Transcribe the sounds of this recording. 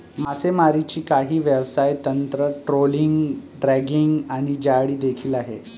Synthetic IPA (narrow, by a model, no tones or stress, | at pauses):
masemaɾit͡ɕiːkaɦiːʋəʋsajt̪ənt̪ɾəʈɾoliŋɡɖɾɛɡiŋɡaɽ̃id͡ʑaɽiːd̪ekʰiːlaɦe